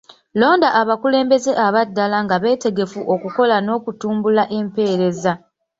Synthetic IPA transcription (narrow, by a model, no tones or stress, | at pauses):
lo̞ːndaʔːβakule̞ːmbe̞ze̞ʔaβadːalaŋɡaβe̞ːte̞ɡe̞fuʔo̞kuko̞lano̞ːkutuːmbulaʔe̞mpe̞ːɾe̞za